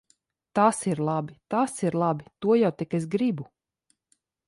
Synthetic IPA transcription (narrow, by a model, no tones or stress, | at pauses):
t̪aːsiɾlˠabit̪aːsiɾlˠabit̪uɔjawt̪ikes̬ɡɾibu